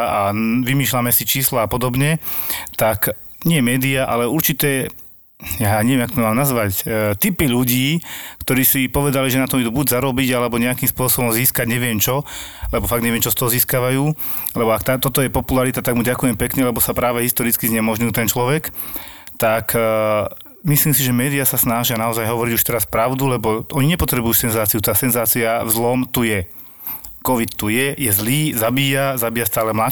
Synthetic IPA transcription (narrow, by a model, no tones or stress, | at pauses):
aʋimiːʃlamɛsit͡ʃiːslaːpɔd̪ɔbɲɛt̪ak | ɲɪɛmɛːd̪iaʔa̰lɛuɾt͡ʃit̪ɛː | jaɲɛʋɛmakt̪ɔmmaːmnazʋact̪ipiʎuɟiːkt̪ɔɾiːsipɔʋɛd̪aliʒɛnat̪ɔmid̪uːbuɟzaɾɔbiɟalɛbɔɲɛakimspʊɔsɔbɔmziːskaɟɲɛʋɪɛmt͡ʃɔlɛbɔfaɡd̪ɲɛʋɛmt͡ʃɔst̪ɔɦɔziːskaʋajuː | lɛbɔakt̪aːt̪ɔt̪ɔjɛpɔpulaɾit̪at̪aɡmuɟakujɛmpɛkɲɛlɛbɔsapɾaːʋɛɦist̪ɔɾit͡skizɲɛmɔʒɲujut̪ɛnt͡ʃlɔʋɛkt̪ak | misliːmsiʒɛmɛːd̪ijasasnaʒɪanaɔzajɦɔʋɔɾiɟuʃt̪ɛɾaspɾaʊd̪ulɛbɔʔɔɲiɲɛpɔt̪ɾɛbujuːsɛnzaːt͡siut̪aːsɛnzaːt͡siavzlɔmt̪ujɛ | kɔʋit̪t̪ujɛjɛzliːzabiːjazabiːjast̪aːlɛmla